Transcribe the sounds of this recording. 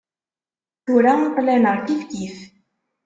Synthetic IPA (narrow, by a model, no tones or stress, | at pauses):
θuɾæt̪ˤːlenəɾˤθifkiθ